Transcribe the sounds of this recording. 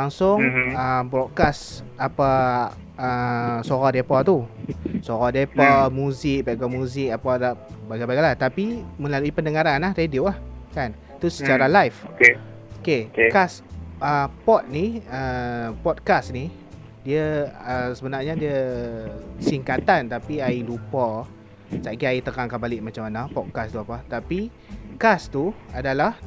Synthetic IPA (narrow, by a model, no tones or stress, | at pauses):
aŋsʊŋəmbɾɔt̚kas | apa | əsoɣɔdepat̪usoɣɔdepamũzik̚bɛɡɔmũzɪk̚apalabaɡabaɡalat̪apimə̃laluipəndəŋaɾanlahɾediuahkan | t̪usət͡ʃaɾalajfke | okekas | əpɔt̪̚niəpɔt̪̚kasni | diəəsəbənarɲadiə | siŋkat̪ant̪apiailupa | saʔkiait̪əkaŋkabalɪʔ̚mat͡ʃamanapɔt̪̚kast̪uapat̪api | kast̪uadalah